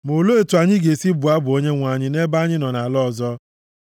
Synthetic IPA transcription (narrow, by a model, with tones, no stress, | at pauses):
mo˨lo˦e˨tu˨a˨ɲɪ˦ɡe˨si˦bʊ˨a˦bʊ˨o˦ɲe˦ŋʷa˨ɲɪ˦ne˦ba˦ɲɪ˦nɔ˨na˨lɔ˦˨zɔ˦